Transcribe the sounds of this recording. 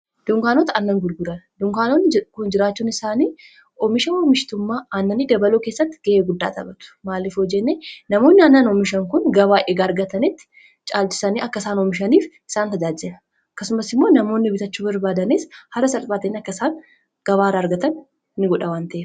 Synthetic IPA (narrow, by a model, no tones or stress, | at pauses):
d̪̥ʊŋkaːnoːt̪ɐanːɐŋɡʊɾɡʊɾɐnd̪ʊŋkaːnoːnːɪkʊnd͡ʒɪɾaːt͡ʃːuːnɪsaːniː | ɔmɪʃɐoːmɪʃt̪ʊmːaːaːnːɐniːd̪ɐbɐloːke̞ːsːɐt̪ːɪ̥ɡ̥eʔeːɡʊd̪ːa̰ːt̪ɐ̰bɐt̪ʊ̥maːlɪfoːd͡ʒɛnːeːnɐmo̞ːnːɪaːnːanɔmɪʃɐŋkʊnɡɐbaːʔeːɡɐɐɾɡɐt̪ɐnɪt̪ːɪ̥ | t͡ʃʼaːlt͡ʃɪ̥sɐniːʔɐkːɐsaːnɔmɪʃ̬ɐniːf | ɪsaːnt̪ɐd͡ʒaːd͡ʒɛnɐ | ɐkːɐsʊmɐsɪmːo̞ːnɐmo̞ːnːɪbɪt̪ɐt͡ʃːuːbɐɾbaːd̪ɐneːshɐrːɐsɐlfaːt̪ɐnɐkːɐsaːn | ɡ̥ɐβaːɾaːɾɡɐt̪ɐn | nːɪɡɔᶑɐwaːnt̪ɐʔeː